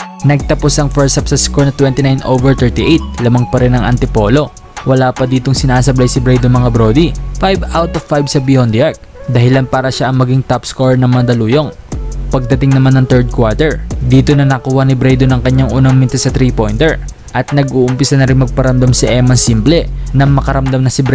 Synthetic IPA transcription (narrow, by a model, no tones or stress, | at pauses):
nɐɡ̚t̪ɐpo̞sɐŋfɛɹsɐpsɐskoɹnɐt̪wɛnt̪ɪnajnʔowvɛɹt̪ɛɹt̪iʔejt̪̚lɐmɐŋpɐɾɛnɐŋʔɐ̰nt̪ɪpo̞ːlo̞ | wɐlaːpɐd̪iːt̪o̞ŋsɪnasɐblajsɪbɾɛjd̪omɐŋabɾoːd̪ifajbawt̪ofːajbsɐbɪond̪ɪaɹk̚ | d̪ɐhɪlanpaːɾɐʃaʔɐŋmɐɡiŋt̪apskoɹnɐŋmɐnd̪ɐluːjo̞ŋ | pɐɡ̚d̪ɐt̪ɪŋnɐmanːɐŋt̪ɛɹd̪̚kwaɹt̪ɛɹd̪iːt̪o̞nɐnɐkuːhɐnɪbɾɛjd̪o̞nɐŋkɐɲːaŋʔuːnɐŋmɪnt̪ɛsɐt̪ɾipo̞jnt̪ɛɹ | ʔɐt̪̚nɐɡʔuːʔʊmpɪsɐnɐɾɪnmɐɡ̚pɐɾɐmd̪amsɪʔɛmɐnsimplɛ | nɐŋmɐkɐɾɐmd̪amnɐsɪbɾɛ